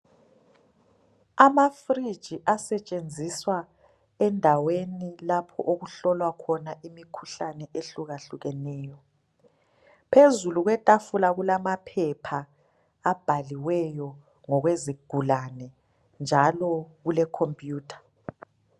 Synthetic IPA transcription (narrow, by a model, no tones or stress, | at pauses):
amafrid̥ʒ̥ʱiʔasɛt͡ʃʼend͡zʱiswa | ɛndʱawenilapʰɔʔoɣuɬɔlwakʰɔnaʔimikʰu̥ɬanɛʔeɬuɣaɬuɣɛnɛːjɔ | pʰezuluɣwɛtʼafulaɣulamapʰɛpʰaː | b̥ʱaliwɛjɔ | ŋɔɣweziɡ̥ʱulanɛ | nd͡ʒʱalɔɣulɛkʰompʼjuːtʰḁ